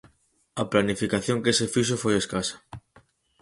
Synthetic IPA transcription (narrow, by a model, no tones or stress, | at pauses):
ɐplanifikaθjoŋkesefiʃ̬ofojeskasḁ